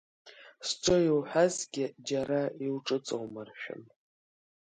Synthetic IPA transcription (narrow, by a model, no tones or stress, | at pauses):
sʈ͡ʂʷʰʼojiwħʷᶣazɡʲɪd͡ʒaɾaiwʈ͡ʂʼɨt͡sʼo̰wmarʃᶣʊ̰n